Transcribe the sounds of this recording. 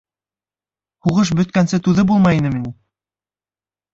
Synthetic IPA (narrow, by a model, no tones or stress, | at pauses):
huʁɤʃ̬bɵ̆t̪kænsɘt̪ʉðɘbulˠmɑjinɘminɘ